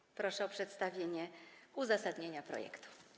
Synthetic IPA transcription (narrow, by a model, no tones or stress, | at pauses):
pɾɔʂɛɔpʂɛt̪st̪avʲjeɲɛuzasad̪ɲeɲapɾɔ̰jɛ̰kt̪u̥